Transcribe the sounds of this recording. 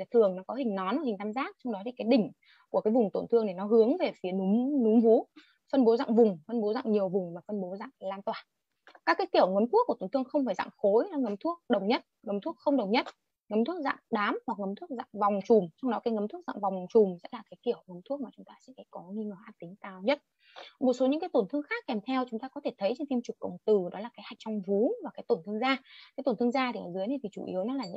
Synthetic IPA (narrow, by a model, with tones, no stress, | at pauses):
t̪ʰɨ˨˩ə˩ŋnɔ˨˦kɔ˨˦hï˨˩ŋ̟nɔ˨˦nʔhi̟˨˩t̪ʰaː˧mzaː˦˥k̚t͡ɕɔ˧wŋ͡mɗɔ˨˦t̪i˨˩kaː˨˦jɗï˧˩ŋ̟ | ku˧˩əkaː˨˦jvʊ˨˩ŋ͡mt̪o˧˩nt̪ʰɨ˧əŋne˨˩nɔ˨˦ɦɨ˨˦əŋve˨˩fi˨˦ənu˨˦mnu˨˦ŋ͡mvu˨˦ | fə˧nɓo˨˦za̰ː˧˨ŋvʊ˨˩ŋ͡mfə˧nɓo˨˦za̰ː˧˨ŋɲi˨˩əwvʊ˨˩ŋ͡mvaː˨˩fə˧nɓo˨˦za̰ː˧˨ŋlaː˧nt̪waː˧˨˩n | kaː˦˥kːaː˨˦jki˧˩əwŋə˨˦mt̪u˦˥kːu˧˩t̪o˨˧˩nt̪ɨ˧əŋxə˧wŋ͡mfaː˧˩jza̰˧˨ŋxo˨˦jnɔ˨˦ŋə˨˦mt̪ʰu˦˥ək̚ɗə˨˩wɲə˦˥t̚ŋə˨˦mt̪ʰu˦˥k̚xə˧wŋ͡mɗə˨˩wŋ͡mɲə˦˥t̚ | ŋə˨˦mt̪ʰu˦˥ək̚za̰ː˧˨ŋɗaː˨˦mhwa˨˩k̚ŋə˨˦mt̪ʰu˦˥ək̚za̰ː˧˨ŋva˨˩wŋ͡mt͡ɕʊ˨˩ŋ͡mt͡ɕɔ˧wŋ͡mɗɔ˨˦kaː˨˦jŋə˨˦mt̪ʰu˦˥ək̚za̰ː˧˨ŋva˨˩wŋ͡mt͡ɕʊ˨˩ŋ͡mzɛ̰˦˧˥laː˨˩kaː˨˦jk̪i˧˩əwŋə˨˦mt̪ʰu˦˥ək̚maː˨˩t͡ɕʊ˨˦ŋ͡mt̪aː˧sɛ̰˧˥˩kɔ˨˦ŋi˧ŋəː˨˩ʔaː˦˥k̚t̪ï˨˦ŋ̟t̪aː˧˩wɲə˦˥t̚ | mo˨˩t̚so˨˦ɲɨ̰˧˥kaː˨˦t̪o˧˩nt̪ʰɨ˧əŋxaː˦˥kːɛ˨˩mt̪ʰɛ˧wt͡ɕʊ˨˦ŋ͡mt̪aː˧kɔ˨˦t̪ʰe˧˩t̪ʰə˨˦jt͡ɕe˧nt̪i˧mt͡ɕɨ˨˩kːə̰˧˨wŋ͡mt̪ɨ˨˩ɗɔ˨˦laː˨˩kaː˨˦jha˨˩jk̟̚t͡ɕɔ˧wŋ͡mvu˨˦vaː˨˩kaː˨˦jt̪o˧˩nt̪ɨ˧əŋzaː˧kaː˨˦t̪o˨˧˩nt̪ɨ˧əŋzaː˧tʰi˨˧˩ʔɔː˨˩zɨ˨˦jna˨˩t̪ʰi˨˩t͡ɕṵ˧˩ʔi˨˦əwnɔ˨˦laː˨˩ɲ̰˧